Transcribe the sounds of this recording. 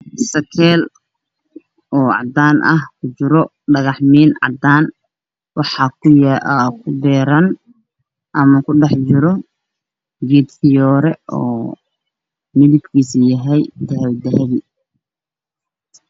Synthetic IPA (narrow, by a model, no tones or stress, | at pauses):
sɐkʰɛːl | ɔːʕɑ̰d̪aːnʔɐhkʰʊt͡ʃɪɾɔ | ɖɐɣɑħmiːnʕɑ̰d̪aːn | wɑħɑkʰʊjʔkʰʊbɛːɾɐn | ʔɐmɐkʰʊɖɛħt͡ʃɪɾɔ | ɡiːd̪fɪjɔːɾɛɔ̰ː | mɪðɪbkʰiːsɪjɐɦɛjd̪ɐɦɛwd̪ɐɦɐði